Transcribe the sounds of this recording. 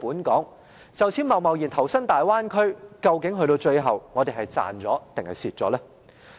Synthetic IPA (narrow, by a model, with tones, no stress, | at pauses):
puː˨˥nkɔː˨˥ŋ | t͡sɐ˨wt͡sʰi˨˥nmɐ˨wmɐ˨wjiː˨˩nt̪ʰɐ˨˩wsɐ˥ŋt̪aː˨jwaː˥nkʰɵ˥ɥkɐ˧wkɪ˨˥ŋɦɵ˧ɥt̪o˧wt͡ʃɵ˧ɥɦɐ˨wŋɔː˨˧t̪e˨˩jɦɐ˨jt͡sa̰ː˨nt͡sɔː˨˥t̪ɪ˨˩ŋhɐ˨jsiː˨t̚t͡sɔː˨˥lɛː˥